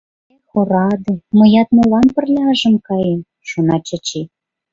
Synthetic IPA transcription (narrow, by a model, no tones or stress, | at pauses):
xoɾɑd̪ɤ̆mŏjɑt̪nolɑnpə̆rlʲɑʒə̆mkɑjem | ʃunɑt͡ɕə̆t͡ɕe